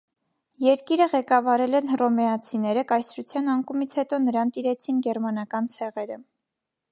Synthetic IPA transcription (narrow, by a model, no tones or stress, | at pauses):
jɛɾkiɾəʁɛkɑvɑɾɛlɛnrɔmɛɑt͡sʰinɛɾəkɑjsʰɾut͡sʰjɑnɑŋkumit͡sʰhɛt̪ɔnəɾɑnt̪iɾɛt͡sʰinɡɛɾmɑn̪ɑkɑnt͡sʰɛʁɛɾə